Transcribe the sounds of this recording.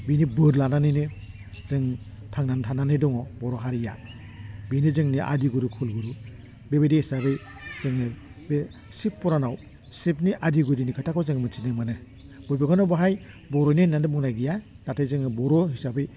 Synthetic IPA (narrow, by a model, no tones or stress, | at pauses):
binibɯɾlananɯjnɯ | zɯŋ | tʰaŋnantʰananɯdɔŋɔbɔɾɔɦaɾija | binizɯŋniʔa̰diɡuɾukʰulɡuɾu | bebedihisabɯj | z̥ɯŋɯbe | sipːɔɾanaw | sepniʔadiɡudinikʰɯtʰakɔzɯŋmɯtʰinɯmɯnɯ | b̥ɔjbaɡanɔbaɦaj | bɔɾɔjnɯnandɯbuŋnajɡija | d̥atʰajzɯŋɯbɔɾɔɦisabɯj